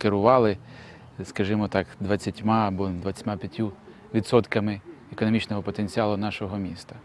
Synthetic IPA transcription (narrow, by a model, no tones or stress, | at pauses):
keɾʊʋɑlˠɪ | skɐʒɪmɔt̪ɑkd̪ʋɐt͡sʲːɐtʲmɑɐbɔd̪ʋɐt͡sʲɛ̥tʲmapʲjɐtʲːu | ʋʲid̪sɔt̪kɐmɪekɔnɔmʲit͡ʃnɔɦɔpɔt̪enʲt͡sʲiɑlˠʊnɑʃɔɦɔmʲist̪ɐ